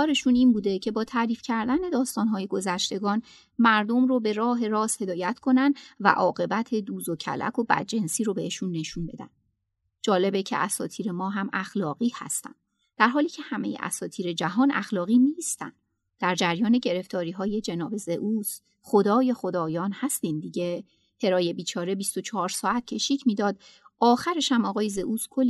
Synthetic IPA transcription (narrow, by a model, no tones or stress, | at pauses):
ɒːɾe̞ʃuniːnbuːd̪e̞cʰe̞bɒːt̪ʰæːɾiːfcʰæɾd̪æne̞d̪ɒːst̪ɒːnɦɒːjeɡo̞zæʃt̪e̞ɡɒːn | mæɾd̪o̞mrobe̞ɾɒːɦe̞ɾɒːshe̞d̪ɒːjæt̪ʰkʰo̞nænd̪væ̰ʔɒːɣe̞bæt̪ʰe̞d̪uːzocʰæ̰lʔæ̰kʰo̞bæ̰d̪̚d͡ʒe̞nsiːɾobe̞ʔeʃunːe̞ʃunbe̞d̪æ̰nd̪ | d͡ʒɒːle̞becʰe̞̰ʔæsɒ̰ːt̪ʰiːɾemɒːɦæmʔæxlɒːɣiːhæ̰st̪æ̰nd̥̪ | d̪̥æɾɦɒːliːcʰe̞hæme̞jḛʔæ̰sɒːt̪ʰiːɾe̞d͡ʒæɦɒːnʔæ̰xlɒːɣiːniːst̪æ̰nd̪̥ | d̪̥æɾd͡ʒæɾjɒːne̞ɟe̞ɾe̞ft̪ɒːɾiːɦɒːje̞d͡ʒe̞nɒːbe̞ze̞ʔuːs | χo̞d̪ɒːje̞xod̪ɒːjɒːnhæst̪iːnd̪iɟe̞ | h̪ʰe̞ɾɒːje̞biːt͡ʃʰɒːɾe̞bist̪o̞t͡ʃʰɒɒːɾsɒːæt̪̚cʰe̞ʃiːcʰmiːd̪ɒːd̪̥ɒːxæɾeʃæmɒːɣɒːje̞ze̞ʔuːskʰolː